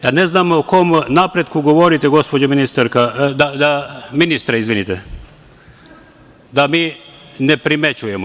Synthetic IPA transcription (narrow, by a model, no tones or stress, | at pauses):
janeznamoko̞mnapɾed̪kuɡoʋoɾit̪eɡo̞spod͡ʑaminist̪aɾkad̪ad̪aminist̪ɾeizʋinit̪e | d̪amiː | nepɾimet͡ɕujemo